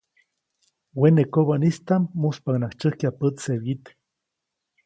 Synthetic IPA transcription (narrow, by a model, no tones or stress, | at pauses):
wenekoβanist̪amːuspaknakt͡ʃəhkiapət͡sseβit̪